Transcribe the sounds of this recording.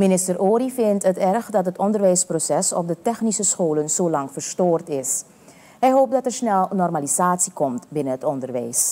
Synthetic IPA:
minɪstəɾʔoːɾifɪntɦətɛrxdɑtɦətɔndərʋɛjsprosɛsɔ̰p̚dətɛxnisəsxoːlənzoːlɑŋfəɹstoːrtɪs | ɦɛjɦoːp̚dɑtɛɹsnɛlˠnɔrmalizaːtsikɔmtbɪnənətɔndərʋɛjs

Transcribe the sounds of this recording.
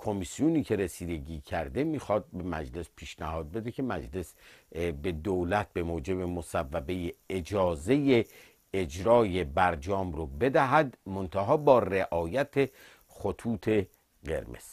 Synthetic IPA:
kʰo̞misijuniːcʰe̞ɾesiːd̪e̞ɡiːcʰæɾd̪e̞miːxɒːd̪̚be̞mæ̰d͡ʒle̞spʰiːʃnæhɒːd̪̚be̞d̪e̞kʰe̞mæd͡ʒle̞sbe̞d̪olæt̪̚be̞moːd͡ʒe̞bemosævːæbe̞jeed͡ʒɒːze̞je | ed͡ʒɾɒːje̞bæɾd͡ʒɒːmrobe̞d̪æɦæd̪mont̪ʰæɦɒːbɒːreʔɒːjæt̪ʰe | χot̪ʰuːt̪ʰe̞ | ɢe̞̰ɾmḛz̥

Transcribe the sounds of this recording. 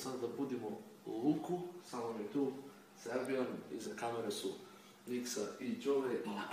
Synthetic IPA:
sad̪ad̪abud̪imolˠukusamomiɛt̪u | z̥aabianḭzakameɾesu | niksait͡ʃoʋɛ

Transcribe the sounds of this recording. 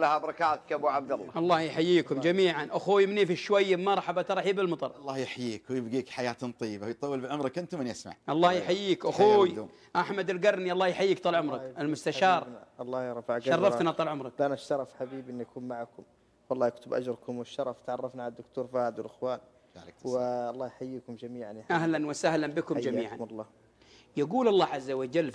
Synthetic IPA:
lːahabɾˤɑkaːt̪kʔabuʕab̚d̪alˤːɑ̰ʔɑlˤːɑːhjħajːiːkʊmd͡ʒamiːʕanʔaxuːjmɪnifiʃːwajːmɑɾˤɑħabat̪ɑɾˤɑħibɪlmɑt̪ˤɑ̰ɾˤɑlˤːɑːhjɪħajiːkwjɪbɡiːkħajaːt̪t̪ˤɨjːɪbajt̪ˤɑwːɪlbɪʕʊmɾˤɑkʔɪnt̪ʊmɪnjɪsma̰ʕʔɑlˤːɑːhjħajːiːkʔaxuːj | ʔaħmad̪ɪlɡɑɾˤniʔɑlˤːɑːhjħajːiːk̚t̪ˤɑːlʕʊmɾˤɑʔɪlmʊst̪aʃɑːɾˤɑlˤːɑːhɾˤɑfaʕɑrˤːɑt̪nɑt̪ˤːɑːlʕʊmɾˤɑklʔanʃt̪ɑɾˤɑfħabiːbiʔɪnːʔakuːmmaʕakʊm | wɑlːˤɑːhjɪkt̪ʊbʔa̰d͡ʒɾˤkʊmwɪʃːɑɾˤɑft̪ʕɑrˤːɑfnaʕalad̪ːʊkt̪uːɾˤfaːɪd̪walʔɪxwaːn | wɪɑlˤːɑːhjħajːiːkʊmd͡ʒamiːʕanjʔahlanwɪsahlanbɪkʊmd͡ʒamiːʕa̰nlˤːɑː | jaɡuːlʔɑlˤːɑːʕazːawad͡ʒalː

